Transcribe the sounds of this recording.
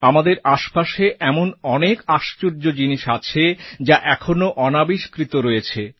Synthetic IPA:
amad̪eɾaʃpaʃeʔɛmonɔnekaʃt͡ɕoɾd͡ʑod͡ʑiniʃat͡ɕʰed͡ʑaʔɛkʰonoʔɔnabiʃkɾit̪oɾojet͡ɕʰe

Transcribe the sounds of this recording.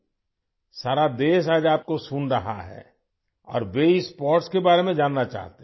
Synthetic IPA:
saːɾad̪eːʃ̬aːd͡ʒaːp̚kosʊnɾəɦaɦɛ̰ː | ɔ̰ːɾʋeɪspɔːɾʈskebaːɾemẽd͡ʒaːnːat͡ʃa̰ːɦt̪e

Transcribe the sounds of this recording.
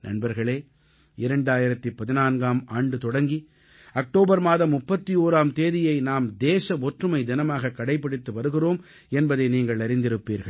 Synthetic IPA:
nɐ̰ɳbɐɾɣɐɭeː | ɪɾɐɳɖaːjɪɾɐt̪ːɯpɐðɪnaːnɡaːmaːɳɖɯt̪ɔɽɐŋɡi | ɐk̚ʈoːbɐɾmaːðɐmːʊpːɐt̪ːioːɾaːmt̪eːðɪjɐɪnaːmd̪eːsɐʋɔʈrɯmɐɪd̪ɪnɐmaːɣɐkːɐɽɐɪpːɐɽɪt̪ːɯʋɐɾɯɣɪroːm | ɛnbɐðɐɪniːŋɡɐɭɐɾɪnd̪ɪɾɯpːiːɾɣɐɭ

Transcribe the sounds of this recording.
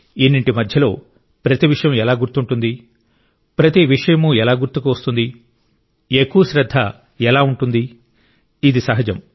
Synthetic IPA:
enːiɳʈimɐd̪ʱjɐlo̞ː | pɾɐt̪iʋiʂɐjɐmɛlaːɡuɾt̪ːuɳʈund̪i | pɾɐt̪iʋiʂɐjɐmuɛlaːɡuɾt̪ukuʋɐst̪und̪i | ekːuʋɐʃɾɐd̪ʱːɐ̰ | ɛlaːuɳʈund̪i | id̪isɐɦɐd͡ʒɐm

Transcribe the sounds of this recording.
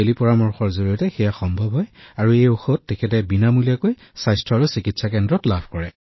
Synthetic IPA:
elipɔɹamɔɹxɔɹzoɹijɔtɛxɛjaxɔmbʱɔbɦɔjaɹuejoxotːekʰɛt̬ɛbinamuliakoj | sajstʰɹɔaɹusikitsakɛndɹɔtlabʱkɔɹɛ

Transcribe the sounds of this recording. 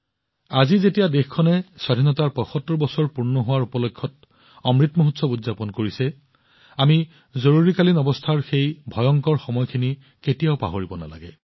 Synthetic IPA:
azizetijadexkʰɔnɛsadʱinɔtaɹpɔxɔtːɔɹbɔsɔɹpuɹnɔɦʊwaɹupɔlɔkʰːɔt̚ | ɔmɹitmɔɦutsɔudzapɔnkoɹisɛ | ami | zoɹuɹikalinɔbɔstʰaɹxejbʱɔjɔŋkɔɹxɔmɔjkʰini | ketijaʊpa̰ɦoɹibɔna̰la̰ɡɛ̰

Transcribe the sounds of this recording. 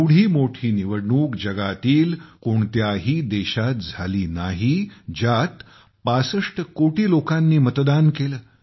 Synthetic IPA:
ɽ̤iːmoʈʰiːniʋəɽɳuːkd͡ʑəɡat̪iːlkoɳt̪jaɦiːd̪eɕat̪̚d͡zʱaliːnaɦid͡ʑat̪ | pasəʂʈəkoʈʰiːlokanːiːmət̪d̪ankeləː

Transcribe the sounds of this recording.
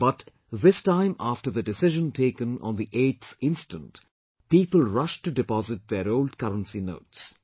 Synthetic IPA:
b̥ʌt | ðɪstãɪ̃mæfʈəɾðəɖɪsɪʒə̃ntʰeɪkə̃nɔ̰̃ːnd̪iʔeːʈθɪ̃nsʈə̃nt | piːpəlˠɹʌʃʈuɖɪpɔzɪʈ̚ðeɾoʊlɖkʌɾə̃nsino̰ːʈs

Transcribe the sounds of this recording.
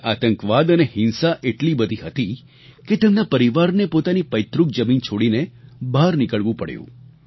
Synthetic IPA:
at̪ə̃ŋkʋad̪ənehɪnsaʔeʈlibəd̪ʱiɦət̪i | ket̪emnapəɾiʋaɾnepot̪anipəjt̪ɾuk̚d͡ʒəmint͡ʃʰoɽinebʱaɾnikəɭʋũpəɽjṵ̃

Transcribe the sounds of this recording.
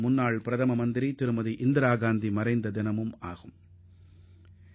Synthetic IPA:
mʊnːaːɭpɪɾɐðɐmɐmɐnd̪ɪɾit̪ɪɾɯmɐðiʔɪnd̪ɪɾaːɣaːnd̪imɐɾɐɪnd̪ɐd̪ɪnɐmɯma̰ːɣɯm

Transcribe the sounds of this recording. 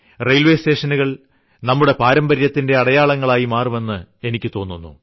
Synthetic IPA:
rejlʋe̞ste̞ːʂɐnuɣɐɭ | nɐmːuɽe̞paːɾɐmbɐɾjɐt̪ːinde̞ɐɽɐjaːɭɐŋːɐɭaːjimaːrume̞nːɨe̞nikʲːɨt̪o̞ːnːunːṵ

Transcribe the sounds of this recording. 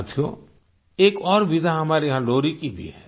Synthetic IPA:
t̪ʰijo̰ | eːkɔːɾʋɪd̪ʱaɦɐmaːɾeɦãloːɾikibʱḭɦɛː

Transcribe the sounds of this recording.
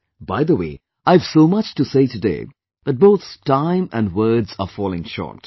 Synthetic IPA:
baɪd̪əwḛː | ʔaɪv̥soːmʌt͡ʃtuseɪtɨdḛː | d̪̥ət̚boːt̪tãɪ̃mæ̰̃nɖwəːdzə̰fɔːlɪ̰̃ŋʃɔ̰ːt

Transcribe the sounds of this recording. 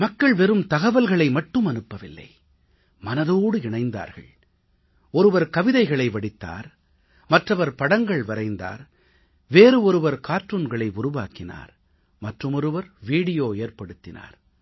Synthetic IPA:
mɐkːɐɭʋɛɾɯmt̪ɐɣɐʋɐlɣɐɭɐɪmɐʈːɯmɐnɯpːɐʋɪlːɐ̰ɪ | mɐnɐðoːɽɯɪɳɐɪnd̪a̰ːɾɣɐ̰ɭ | ɔɾɯʋɐɾkɐʋɪðɐɪɣɐɭɐɪʋɐɽɪt̪ːa̰ːɾ | mɐʈrɐʋɐɾpɐɽɐŋɡɐɭʋɐɾɐɪnd̪a̰ːɾ | ʋeːɾɯɔɾɯʋɐɾkaːɾʈrɯnɡɐɭɐɪʊɾʊʋaːkɪna̰ːɾ | mɐʈrɯmɔɾɯʋɐɾʋiːɽɪjoːeːɾpɐɽɯt̪ːɪna̰ːɾ

